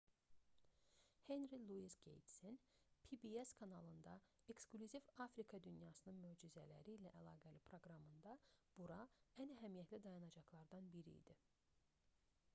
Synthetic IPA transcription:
henɾilˠuisɡḛjt̪sen | pʰibieskʰɑnɑlˠɯnd̪ɑ | e̞ksklʲyzivɑfɾikʰɑd̪ynjɑːsɯnɯnmød͡ʒyzælæ̰ɾiːlæʔælˠɑːɡælipʰɾo̞ɡɾɑmɯnd̪ɑb̥uɾɑænæɦæmijæt̪lid̪ɑjɑnɑd͡ʒɑxlˠɑɾd̪ɑnbiɾḭːd̪̥i

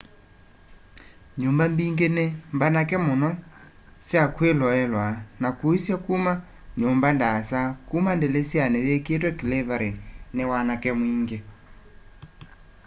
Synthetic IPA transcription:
ɲumbambiŋɡenembanakɛmonɔ | sjakwelɔɛlwanakuisjakuma | ɲumbandasakumandelesjaneðeket̬wɛkilevaɾɛnewanakɛmwiŋɡe

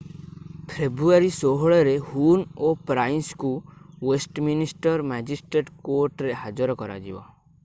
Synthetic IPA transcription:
pʰebɾuaɾisoɦɔɭɔɾehunopɾajnskuwesʈminisʈɔɾmad͡ʒisʈɾeɖkoɾʈɾehad͡ʒɔɾɔkɔɾa̰d͡ʒḭba̰

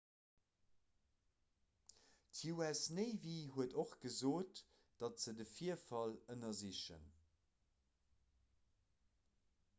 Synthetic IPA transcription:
tʰjuɛsneɪviɦuədoχɡ̥əzoːt | d̥ɑtz̥ədəfiɐfɑlənɐziʃə̰n

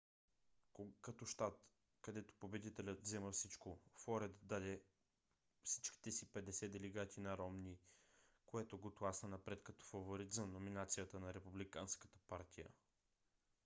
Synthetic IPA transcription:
kɐt̪ɔʃt̪at̪ | kɐd̪ɛt̪o̥pobɛd̪it̪ɛlʲət̪vzɛməfsit͡ʃkofɔɾɛt̪d̪ad̪ɛ | fsit͡ʃki̥t̪ɛsipɛd̪ɛsɛd̪ɛlɛɡat̪inɐɾɔmnikoɛt̪oɡot̪lˠasnənɐpɾɛt̪kɐt̪ɔ̥fɐvoɾit̪zɐnominat̪sijət̪ənɐɾɛpublikanskə̥t̪ə̥paɾt̪ʰijə̰

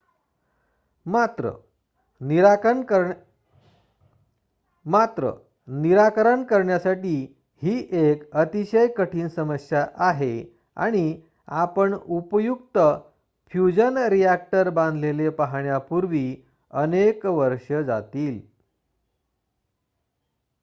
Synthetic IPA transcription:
mat̪ɾə̰ | niɾaə | mat̪ɾə̰ | niɾakɾəɳkəɾɳjasaʈiː | hiːʔekət̪iɕəjkəʈʰiːnsəməsjaʔaɦe | a̰ɽ̃i | apəɳupjuk̚t̪ə | fjud͡ʑənɾijak̚ʈəɾbãnd̪ʱlelepaɦɳjapuɾʋiː | ənekʋəɾʂəd͡za̰t̪iːl

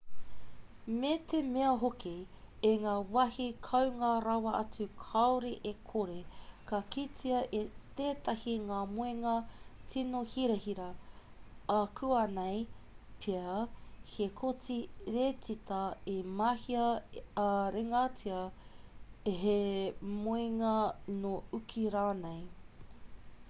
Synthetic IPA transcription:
met̪ʰemeɐɦoki | eŋaːwɐhikʰɐwŋaɾɐwɐʔɐt͡sʉkʰɐwɾeʔekʰoɾekɐkit͡siɐʔit̪eːt̪ɐhiŋaːmoeŋɐt͡sinohiɾɐhiɾɐ | ɐkʰuɐnejpʰeɐhekʰot͡siɾet͡sit̪ɐimahiɐ | ɾeŋat͡siɐ | ɦemoeŋɐnoukʰiɾaːnej

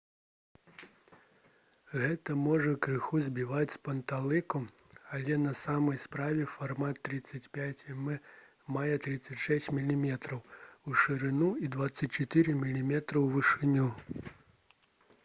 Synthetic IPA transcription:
ɣɛt̪ɐmɔʐɐkɾɨxuzʲbʲivat͡sʲspɐnt̪alˠɨku | ɐlʲɛnɐsamɐjspɾavʲɛfarmat̪ːɾɨt̪sɐt͡sʲpʲat͡sʲmɨ | majɛt̪ɾɨt̪sːɐt͡sʲʂɛsʲt͡sʲmʲilʲimʲɛt̪ɾɐwuʂɨɾɨnuid̪vat̪sːɐt͡sʲt͡ʂɛt̪ɨɾɨmʲilʲimʲɛt̪ɾɐwvɨʂɨnʲu

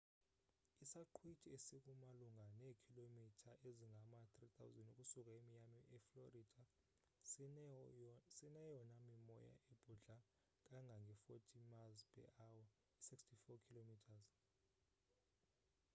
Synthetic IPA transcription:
isaǃʰwitʰiesik̬ʼumaluŋɡʱanekʰilomitʰaʔeziŋʱamatʼrit̪ʰawuzɛnuk̬ʼusuk̬ʼaemiɲamiʔɛflorid̥ʱa | sinɛjɔnamimɔja̰ʔeb̥ʱuɮa | k̬ʼaŋʱaŋɡʱɛfotʰimazpʰɛ̰ʔawa | isikstʰifɔkʰilomitʰaz

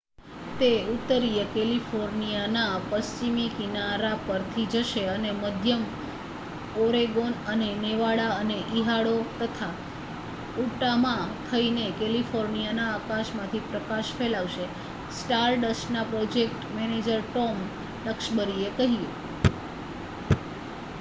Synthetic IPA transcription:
t̪eut̪ːəɾiekɛlifoɾnijanapəst͡ʃimikinaɾapəɾt̪ʰid͡ʒəʃeəneməd̪ʱjəm | oɾeɡonəneneʋaɭaəneʔiɦaɭot̪ət̪ʰa | uʈamãt̪ʰəinekelifʰoɾnijanaːkaʃmãt̪ʰipɾəkaʃfʰelaʋʃe | sʈaɾɖəsʈnapɾod͡ʒek̚ʈmɛned͡ʒəɾʈɔm | ləkʃbəɾiekəɦie

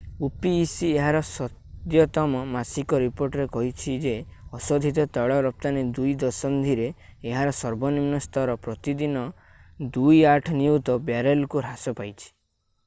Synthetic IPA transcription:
upiːsieɦaɾɔsɔt̪jɔt̪ɔmɔmasikɔɾipoɾʈɔɾekɔɦit͡ʃʰid͡ʒeɔsɔd̪ʱit̪ɔt̪ɔɭɔɾɔp̚t̪anid̪ujd̪ɔsɔnd̪ʱiɾeːɦaɾɔsɔɾbɔnimnɔst̪ʰɔɾɔpɾɔt̪id̪inɔ | d̪ujaʈʰɔniut̪ɔbjaɾelkuɾasɔpajt͡ʃʰi̥

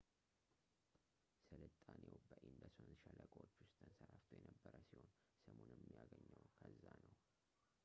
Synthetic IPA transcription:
sɨlɨt̪ʼːanewbəʔind̪əsonɨnʃaləkʼot͡ʃːwʊst̪ʰənsəɾaft̪ʰojɛnəbːəɾəsiho̞n | səmonjɛmːijaɡəɲːəwkʰəzːanəw

